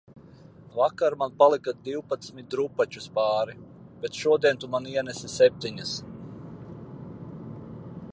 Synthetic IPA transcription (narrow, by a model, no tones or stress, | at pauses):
vakaɾmanpalˠikad̪iwpat̪smit̪̚ɾupat͡ʃuspaːɾi | b̥et̪ʃuɔd̪iɛnt̪umaniɛnɛsisʲɛp̚ʲt̪iɲɐs